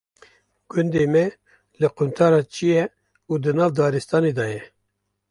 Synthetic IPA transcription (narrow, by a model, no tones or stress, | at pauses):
ɡ̥ʊnd̪eːmɛ | lɨqunt̪ʰɑːɾɑːt͡ʃʰijɛ | uːd̪ɨnɑːvd̪ɑːɾist̪ɑːneːd̪ɑːjɛ